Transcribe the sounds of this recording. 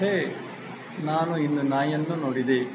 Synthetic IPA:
e | naːnuinːunaːjɐnːunoːɽid̪e

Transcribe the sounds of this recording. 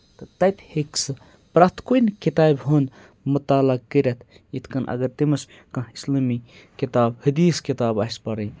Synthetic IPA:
t̪ɨt̪ɐjpheksɨ | pɾɐt̪ʰkuinkit̪aːbɦund̪ | mut̪aːlɐk̚kəɾʲɐt̪ʰ | it̪ʰkɐnʔɐ̰ɡɐɾt̪imɐs | kɐ̃islɐːmi | kit̪aːbhɨd̪iːskit̪aːbaspɐɾɐ

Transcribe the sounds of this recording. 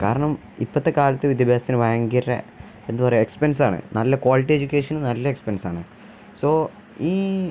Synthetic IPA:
kaːɾɐɳɐm | ḭpːɐt̪ːekaːlɐt̪ːɨʋid̪ʱjɐbʱjaːst̪ːinɨʋɐjɐŋɡiɾrḛ | end̪ɨpɐrɐejekspensaːɳɨ̰nɐlːɐkwaːliʈːied͡ʑukʲːeːʂɐnunɐlːɐekspensaːɳɨ | so̞ː | iː

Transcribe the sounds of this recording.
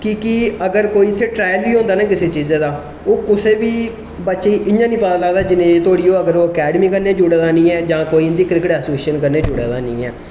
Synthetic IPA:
kiːkɪəɡəɾkoːiːɪt̪ʰːeːʈɾaːjəlbiːɦõːnd̪aːnãːkɪseːt͡ʃiːzãːd̪aː | oːkʊseːʋiː | bətːʃeiʔɪɲãːnĩːpad̪əlaːd̪aːd͡ʒɪnẽːt̪ʊaːɽiːoːəɡəɾoːəkɛːɖmiːkəɾneːd͡ʒʊɽeːd̪aːnĩːɛːd͡ʒãːkoːiːnd̪iːkɾɪkəʈɛːsoːeːʃənkəɾneːd͡ʒʊɽḛːd̪aːnḭ̃ːɛ̰ː

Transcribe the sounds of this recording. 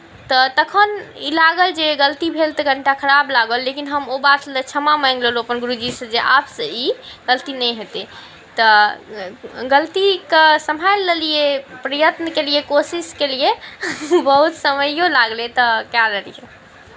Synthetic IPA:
t̪ət̪əkʰənilaɡəld͡ʒeɡəlt̪ibʱelt̪əɡʱəɳʈakʰəɾablaɡəlːekinɦəmobat̪lət͡ʃʰəmaməjŋɡləloəpənɡuɾud͡ʒisəd͡ʒeʔapsə̃iɡ̥əlt̪inɛjɦot̪e | t̪ɔ | ɡəlt̪ikəsəmɦajlːəlijepɾəjət̪nəkelijekosiskelije | bəɦut̪səməjolaɡlet̪ɔkjaləlije

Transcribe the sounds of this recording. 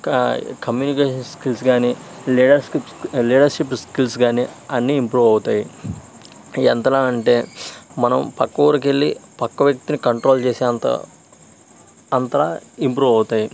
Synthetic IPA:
kɐmjuːnikeːʃɐnskilsɡaːniliːɖɐɾskipliːɖɐɾʂipskilsɡaːniɐnːiːmpɾuːʋɐwut̪aːji | ɛnt̪ɐlaːɐɳʈe̞ːmɐnɐmpɐkːuuɾɐk̬e̞ɭːipɐkːɐʋjɐk̚t̪inikɐɳʈɾo̞ːlt͡ʃeːsiɐnt̪ɐ̰ | ɐnt̪ɐɾaːimpɾuːʋɐwut̪aːji

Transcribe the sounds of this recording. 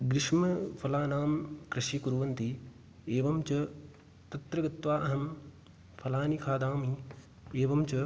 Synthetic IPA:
ɡɾɪʂmɐpʰɐlaːnaːmkɾɐʃikuɾuʋɐnt̪i | eːʋɐmt͡ʃɐ | t̪ɐt̪ɾɐɡɐt̪ʋaːʔɐɦɐm | pʰɐlaːnikʰaːd̪aːmi | eːʋɐmt͡ʃɐ

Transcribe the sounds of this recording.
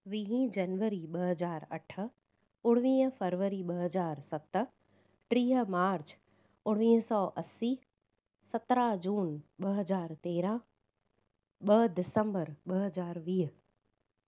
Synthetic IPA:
ʋiːɦĩd͡ʑɐnʋəɾiɓɐɦəzaːɾɐ̰ʈʰə̆ | ʊɽ̃ʋĩːɦəfəɾʋəɾiɓɐɦəzaːɾsɐt̪ə̆ | ʈɾiːɦə̆maːɾt͡ɕ | ʊɽ̃ʋĩːɦsɔːʔɐsi | sɐt̪ɾad͡ʑuːnɓɐɦəzaːɾt̪eːɾã | ɓəd̪ɪsə̃mbəɾɓɐɦəzaːɾʋiːɦə

